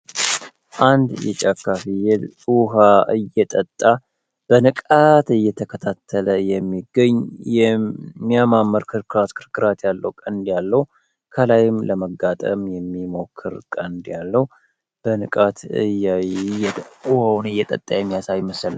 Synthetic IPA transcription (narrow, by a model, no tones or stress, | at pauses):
ʔand̪jɛ̰t͡ʃʼakːafijɛluɦaʔɨjːɛt̪ʼət̪ʼːa | b̥ənɨkʼat̪ɨjːɛt̪ʰəkʰət̪ʰat̪ʰːələjɛmːiɡəɲːjɛmːijamamːəɾkʰɨɾkʰɨɾat̪kʰɨɾkʰɨɾat̪jalːəwukʼənd̪jalːəhu | kʰəlajɪmləməɡːat̪ʼə̰mjɛmːimo̞kʰːɨɾkʼənd̪jalːəhu | b̥ənɨkʼat̪ʰɨj | uhawnɨjːɛt̪ʼə̰t̪ʼːajɛmːijasajɪməsəl